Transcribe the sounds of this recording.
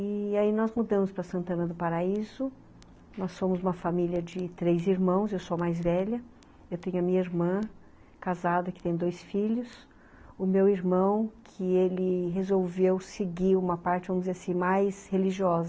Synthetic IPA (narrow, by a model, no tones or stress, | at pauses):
ɪainɔzmud̪ɐ̃mʊspɾɐsɐ̃nt̪ɐ̃nɐd̪ʊpaɾaizʊ | nɔsːõmʊzũmɐfamiljɐd͡ʒɪt̪ɾejziɾmɐ̃w̃sewsomajzvɛʎɐ | ewt̪ẽɲʊɐmĩɲɐiɾmɐ̃ | kazad̪ɐkɪ̥t̪ẽj̃d̪ojsfiʎʊs | ʊmewiɾmɐ̃w̃kʰɪelɪɦezowvewsɪɡiũmɐpaɾt͡ʃɪvɐ̃mʊzeasĩmajsheliʒiɔzɐ